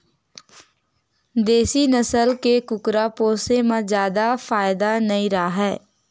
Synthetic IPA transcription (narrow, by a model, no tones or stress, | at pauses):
d̪eːsinəsəlkekʊkɾapoːsemãzjaːd̪afaːɪd̪anɐĩɾaaɦɛː